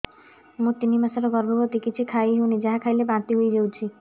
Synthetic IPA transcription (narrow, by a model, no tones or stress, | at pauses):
mũt̪inːimasɔɾɔɡɔɾbɔbɔt̪ikit͡ʃʰikʰajɦeunid͡ʒaɦakʰajlebãnt̪iɦojd͡ʒewt͡ʃʰi